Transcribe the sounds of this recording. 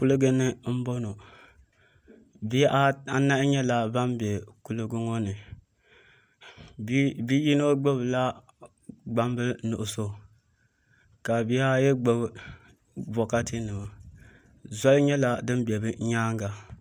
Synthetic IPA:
ku˦lɨ˦ɡɨ˦nːɨ˦m̩˦bɔ˦no˨ | bi˦jʔa˦na˦ʔɲɛ˦la˨ba˦mbɛ˨ku˦lɨ˦ɡɨ˦ŋɔ˦nɨ˨˦ | bi˦ji˦no˦ɡ͡bɨ˦bla˦ | ɡ͡ba˦mbɨ˦nu˨ʔʊ˨so˦ | ka˨bi˦a˦jɛ˦ɡ͡bɨ˦b | bɔ˨ka˦ti˦nɨ˨b | za˦lɲɛ˦la˨dɨ˦nbɛ˨bɨ˦ɲaː˦ŋɡa˨

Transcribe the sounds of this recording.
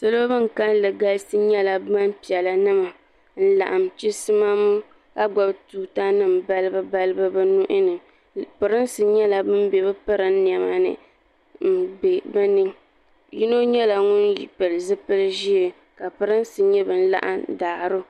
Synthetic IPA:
sɨ˦lo˦bɨ˦ŋ˨ka˦n˦lɨ˨ɡa˦lsɨ˦ɲɛ˦la˨ba˦m˦pi˨ɛ˨la˨nɨ˦ma˨ | n̩˦la̰˨ʔa˨mt͡ʃi˦sɨ˦ma˦m˦ | ka˦ɡ͡bɔ˨btuː˨ta˦nɨ˦˨mba˦lɨ˦bɨ˦ba˦lɨ˦bɨ˦bɨ˦nu˦ʔɪ˦nɨ˨ | pɨ˨ɾɨ˦n˦sɨ˨ɲɛ˦la˨bɨ˦m˦bɛ˨bɨ˦pɨ˦ɾɨ˦m˦ni˨ɛ˨ma˨nɨ̰˨ | m̩˦be˨bɛ˦nɨ˦ŋ | ji˦no˦ɲɛ˦la˨ŋʊ˦njḭ˨pɨ˨lɨ˨zɨ˦pɨ˦lɨ˦ʒi˦e˨ | ka˨pɨ˦ɾɨ˦n˦sɨ˨ɲɛ˦bɨ˨n̩˦la̰˦ʔa̰˦mdaː˨ɾʊ˦

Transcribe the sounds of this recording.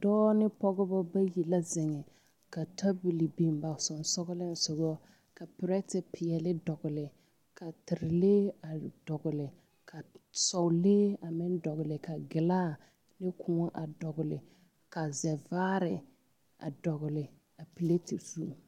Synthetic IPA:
dɔː˦nɪ˦pɔ˦ɡɔ˦bɔ˦ba˦ji˨la˦zɪ˨ŋɛ˨ | ka˨tʰa˦bu˨li˨bi˨mba˨sɔ˨n˨sɔ˦ɡʊ˦lɪ˦n̩˨sʊ˨ɣɔ˦ | ka˨pɪ˨ɾɛ˦tɪ˨pʰɪ˨jɛ˨lɪ˦dɔ˨ɡʊ˨lɪ˨ | kʰa˨tɪ˨ɾɪ˨leː˦a˨dɔ˨ɡʊ˨lɪ˨ | kʰa˨sɔ˨leː˦a˨mɪ˦ndɔ˨ɣʊ˨lɪ˨ka˨ɡɪ˨laː˦˨ | lɪ˦kʰʊ˦ŋɔ˦ʔa˨dɔ˨ɡʊ˨lɪ˨ | ka˨zɛ˨vaː˦ɾɪ˨ | a̰˨dɔ˨ɣʊ˨lɪ˨ | a˨pi˨le˦tɪ˨zu˦

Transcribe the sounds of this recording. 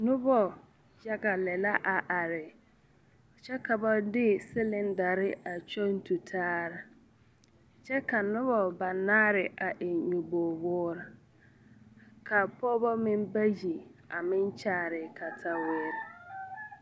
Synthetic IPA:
nʊ˦bɔ˨ | ja˦ɡa˨lɛ˨la˦ʔa˨ʔa˨ɾɪ˨ | t͡ʃɛ˦ka˨ba˦dɪ˦sɪ˦lɪ˦nda˨ɾɪ˦a˨t͡ʃo˦n˦tu˨tʰaː˦ɾa˨ | t͡ʃɛ˦ka˨nʊ˦bɔ˨ba˨naː˦ɾɪ˨ʔa˨ʔɪ˨ɲu˨bo˨bʊː˦ɾa˨ | kʰa˨pɔ˦bɔ˦mɪ˦mba˦ji˨a˨mɪ˦nt͡ʃaː˦˨ɾɪ˨kʰa˨tʰa˦weː˦ɾɪ˨

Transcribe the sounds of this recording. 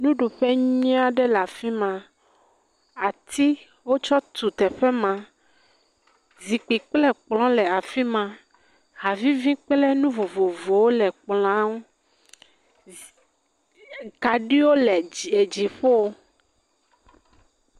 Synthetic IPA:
nũ˦ɖu˨ɸɛ˦ɲĩ˦a˦ɖɛ˦la˨fi˦mã˨ | a˨t̪i˦ | wo˦t͡ʃɔ˦t̪u˨t̪ɛ˨ɸɛ˦mã˨ | zi˨k͡pi˨k͡plɛ˦k͡plɔ̃˦lɛ˨a˨fi˦mã˦˨ | ɦa˨vi˦vĩ˦k͡plɛ˦nũ˦vo˨vo˨vo˨wo˦lɛ˨k͡plã˦wo˦ | ka˨ɖi˦wo˦lɛ˨e˨d͡ʒi˨ɸo˦wo˦

